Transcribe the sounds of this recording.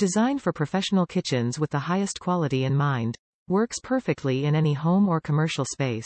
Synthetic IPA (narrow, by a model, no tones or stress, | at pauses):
d̥ɨzãɪ̃nfə˞pʰɹ̥ɨfɛʃn̩l̩ˠkʰɪt͡ʃɨ̃nzwɨðəhaɪɨstkʰw̥ɑlˠəɾiɨ̃nmãɪ̃nd | wɜ˞kspʰɜ˞fɨk̚tʰˡliɪ̃nɛniɦõʊ̃mə˞kʰəmɜ˞ʃl̩ˠspeɪs